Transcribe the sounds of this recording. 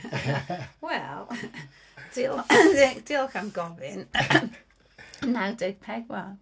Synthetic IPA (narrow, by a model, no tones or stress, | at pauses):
wɛlˠ | d̥ɪlˠðɪd̥ɪlˠkamɡɔvɪn | nawdɛɡ̥̚pʰɛɡwɛlˠ